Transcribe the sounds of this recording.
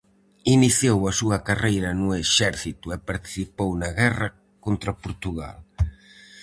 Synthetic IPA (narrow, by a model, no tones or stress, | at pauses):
iniθjowɐsuɐkarejɾɐnʊeʃɛɾθit̪ʊɛpaɾt̪i̥θipownɐɣɛrɐ | kont̪ɾɐpoɾt̪uɣa̰l